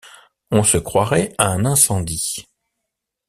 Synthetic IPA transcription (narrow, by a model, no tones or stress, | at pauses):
ɔ̃səkχwaʁɛaɛ̃nɛ̃sɑ̃d̪i